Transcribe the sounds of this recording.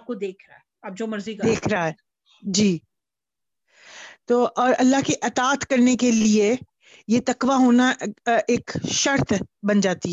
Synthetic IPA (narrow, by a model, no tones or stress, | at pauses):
p̚kod̪eːkʰɾɐɛ | aːp̚d͡ʒomɐɾzikd̪eːkʰɾaɦɛ | d͡ʒiː | t̪oːʔɔːɾɐlːaɦkeʔɐt̪aːt̪kɐɾnekelie | jet̪ɐkʋaɦoːnaʔeːkʃɐɾt̪bɐnd͡ʒaːt̪iɦɛ